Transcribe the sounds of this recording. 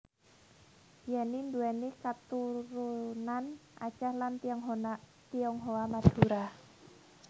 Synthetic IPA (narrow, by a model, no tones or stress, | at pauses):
janinduɛnikat̪uɾunanʔa̰t͡ʃahlant̪ŋɦ | t̪iɔŋɦoamad̪̥uɾa